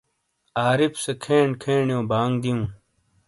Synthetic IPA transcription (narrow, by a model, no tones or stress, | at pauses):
aːɾipsekʰeːɳkʰẽːɳjõːbaːŋɡd̪ijũː